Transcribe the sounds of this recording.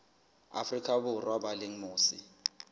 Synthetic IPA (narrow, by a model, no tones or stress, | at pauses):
a̰frikʰabʊrwabaleŋ̩moːsḭ